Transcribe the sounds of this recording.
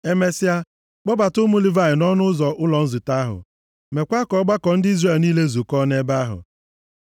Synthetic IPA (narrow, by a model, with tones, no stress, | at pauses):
e˦me˦sɪ˦a˦ | k͡pɔ˦ba˨tʊ˦mu˦li˦va˦˨ɪ˨nɔ˦nʊ˦ʊ˦zɔ˨ʔʊ˦lɔ˨n̩˦zʊ˨ta˦ɦʊ̰˨ | me˨kʷa˦kɔ˦ɡ͡ba˦kɔ˨n̩˦di˦zre˦˨lniː˦le˦zu˨kɔ˦ne˦ba˦ɦʊ̰˨